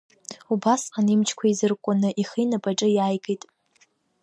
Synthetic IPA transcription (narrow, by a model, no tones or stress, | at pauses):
ubasanimt͡ʃʰkʷʰaizɨrkʷʼʊnɨʔiχinapʼaʈ͡ʂʼɨjaːjɡʼejtʼ